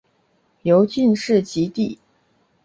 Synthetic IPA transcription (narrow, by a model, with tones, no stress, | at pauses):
jo˧˥ʊt͡ɕy˥˧nʂɻ̩˥˩t͡ɕi˧˥t̪i˥˩